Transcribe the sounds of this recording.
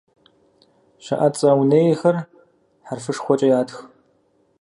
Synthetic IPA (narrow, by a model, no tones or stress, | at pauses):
ɕɐ̰ʔɐt͡sʼɐwneːjɛxɐr | ħarfɨʂxʷɔt͡ʃʼɐjaːtʰx